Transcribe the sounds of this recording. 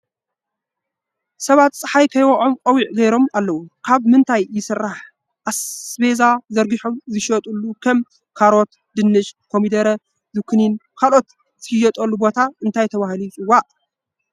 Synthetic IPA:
sɐβat̪sʼɨħajkʰɐjwɐʔʼomkʼɐwiʕɡɐjɾo̞malːɐwukʰaβmɨnt̪ʰajjɪsɨrːaħ | ʔasbe̞zazɐɾɡiħomzɨʃɐt̪ʼulːukʰɐm | kʰaɾo̞t̪ | d̪ɨnːɨʃkʰo̞mid̪ɐɾɐ | zɨkʰninkʰalʔo̞t̪ | zɨhjɐt̪ʼɐlːubo̞t̪ʰaɨnt̪ʰajt̪ʰɐβahlit͡sʼɨwaʔ

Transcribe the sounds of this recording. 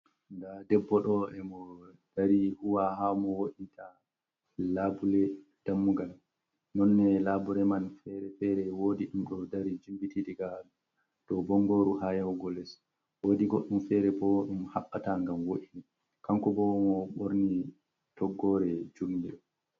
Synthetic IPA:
ndadɛbːɔɗɔɛmɔ | d̥aɾihuwaɦamɔwoɗitʰa | labulɛ | d̥amːuɡal | nɔnːɛlabuɾɛmanfɛɾɛfɛɾɛwodiɗumɗɔdaɾid͡ʒumbitidiɡalu | tɔbɔŋɡoɾuhajɛwɡɔlɛs | wodiɡɔɗːumfɛɾɛbɔɗumhaɓːataŋɡamwoʔini | kaŋkɔbɔwmɔɓoɾni | tɔɡːɔɾɛd͡ʒumiɗɔ

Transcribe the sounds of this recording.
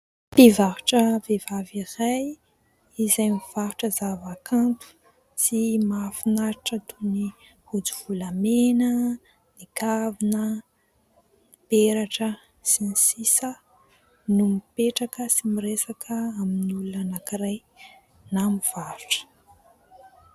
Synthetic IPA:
ppivaɦuʈ͡ʂəvevaviraj | izajmiv̥aɦuʈ͡ʂəzavakʰant̪u̥ | simafinaɾiʈ͡ʂət̪ʰuni | hod͡zuv̥ulamenə | nikavinə | nib̥eɾaʈ͡ʂə | sinisisə | numipeʈ͡ʂakəsimiɾesakʰəaminulunanakiɾaj | namiv̥aɾu̥ʈ͡ʂə̥

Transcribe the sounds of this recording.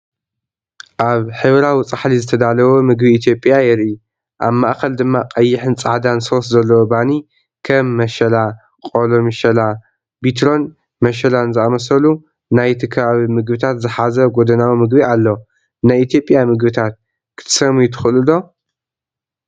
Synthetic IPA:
ʔaβħɨβɾawit͡sʼaħlizɨt̪ʰɐd̪alɐwomɨɡbiːt̪ʰjo̞pʼjajɛɾʔiu | ʔaβmaʔkɐld̪ɨmːaqʼɐjːɪħɨnt͡sʼaʕd̪anso̞szɐlːɐwobani | kʰɐmːɐʃɐla | qʼo̞lomiʃɐla | bit̪ɾo̞n | mɐʃɐlanzɨamɐsɐlu | najt̪ʰɨkʰɐβaβimɨɡbɨt̪ʰat̪zɨħazɐɡod̪ɐnawimɨɡbialːo | najʔit̪ʰjo̞pʼjamɨɡbɨt̪ʰat̪̚ | kʰɨ̥t̪ʰɨ̥sɐmujt̪ʰɨ̥xɨlɨlo

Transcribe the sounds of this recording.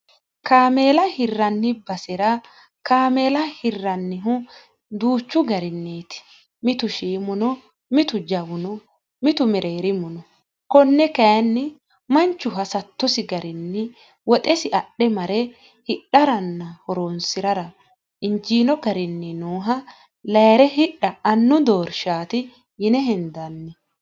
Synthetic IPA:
kaːmeːlɐhɪrːɐnːɪbɐsɛɾɐ | kaːme̞ːlɐhɪrːɐnːɪɦʊ | d̪uːt͡ʃːʊɡɐɾɪnːeːt̪ɪ̥ | mɪt̪ʊʃiːmʊnɔ | mɪt̪ʊd͡ʒɐwʊnɔ | mɪt̪ʊmɛɾeːɾɪmʊnɔ | kɔnːɛkɐjɐnːɪ | mɐnt͡ʃːʊɦɐsɐt̪ːɔsɪɡɐɾɪnːɪ | wɔt̪ʼɛsɪʔɐɗːɛmɐɾɛ | hɪɗːɐɾɐnːɐhɔɾoːnsɪɾɐɾɐ | ɪnd͡ʒiːnɔɡɐɾɪnːɪnoːɦɐ | lɐjɾɛhɪɗɐɐnːʊd̪oːɾʃaːt̪ɪ | jɪnɛɦɛnd̪ɐnːɪ

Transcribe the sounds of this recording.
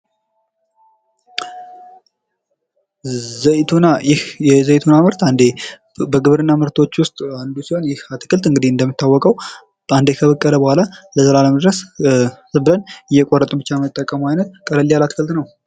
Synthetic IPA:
zəjt̪ʰunajɪhjɛzəjt̪ʰunaməɾt̪and̪e | bəɡɨβɾɨnːaməɾt̪ʰo̞t͡ʃːwʊst̪ʼand̪usiho̞njɪhat̪ɨ̥kʰɨlt̪ɨŋɡɨd̪iɨnd̪əmːit̪ʰːawːɔkʼəw | and̪ekʰəβəkʼːələbəhʷalaləzəlaləməd̪ɾəs | ɨbɨlənɪjːɛkʼorːət̪ʼubɨt͡ʃːajmət̪ʼːəkʼːəmajnət̪̚kʼələlːijalat̪ʰɨ̥kʰɨlt̪nəw

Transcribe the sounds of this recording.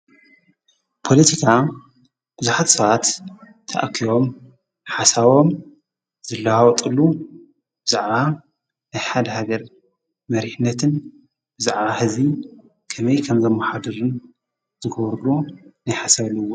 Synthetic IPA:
pʰo̞lɐt̪ʰikʰa | b̥ɨzuħat̪sɐβat̪ʰː | a̰ʔakʰiβo̞m | ħasaβom | zɨlːaawɔt̪ʼɨlːu | bɨzaʕβa | najħad̪ɐhaɡɐɾ | mɐɾiħnːɐt̪ʰɨn | bɨzaʕβahɨzi | kʰɐmɐjkʰɐmzɐmːɐħad̪ɐɾɨn | z̥ɨɡoβɾɨlonajħasaβlɨwːo

